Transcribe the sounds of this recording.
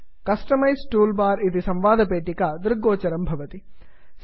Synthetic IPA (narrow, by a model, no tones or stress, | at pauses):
kɐsʈɐmɐjsʈuːlbaːɾid̪isɐmʋaːd̪ʱɐpeːʈikɐd̪iɾɡoːt͡ʃɐɾɐmbʱɐʋɐt̪i | s